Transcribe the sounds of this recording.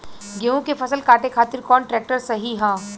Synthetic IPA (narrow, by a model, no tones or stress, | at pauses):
ɡeõkepʰɐsəlkaːʈekʰaːt̪ɪɾkɔːnʈɾɛːk̚ʈəɾsɐɦiɦãː